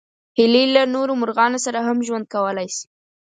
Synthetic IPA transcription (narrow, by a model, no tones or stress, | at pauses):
hɪlilanoɾomʊɾɣɑnosaɾaɦamʒwand̪̚kawəlajsi̥